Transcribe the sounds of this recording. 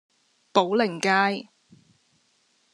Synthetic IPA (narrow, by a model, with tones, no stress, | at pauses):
po˨˥wlɪ˨˩ŋkaː˥j